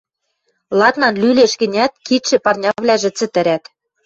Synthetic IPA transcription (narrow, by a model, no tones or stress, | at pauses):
lˠɑt̪nɑnlyleʃɣɘ̆nʲæt̪̚kit̪ʃɘ̆pɑrnʲɑβlʲæʒɘ̆t͡sɘ̆t̪ɘ̆ɾæt̪